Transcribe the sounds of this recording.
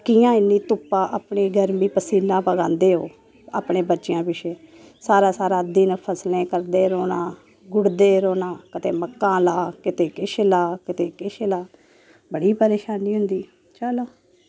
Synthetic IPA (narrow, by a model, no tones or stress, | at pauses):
kijãːɪnːiːt̪ʊpːaːʔaːpɳiːɡəɾmiːpəsiːnãːpəɡãːnd̪eːɦoː | a̰ːpɳeːbətːʃɪjãːpɪʃeː | saːɾaːsaːɾaːd̪inpʰəslẽːkəɾd̪eːɾoːnãː | ɡʊɽd̪eːɾoːnãːkət̪eːməkːãːlaːkɪt̪eːkɪʃlaːkɪt̪eːkɪʃlaː | bəɽiːpəɾeːʃaːniːɦʊnd̪iː | t͡ʃaːloː